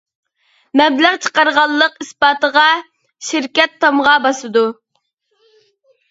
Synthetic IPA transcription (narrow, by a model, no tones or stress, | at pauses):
mɛblæʁt͡ʃʰə̥qɑɾʁɑlˠːəqispɑːt̪əʁɑ | ʃɪɾkʲɛt̪ʰːɑmʁɑbɑsɨd̪u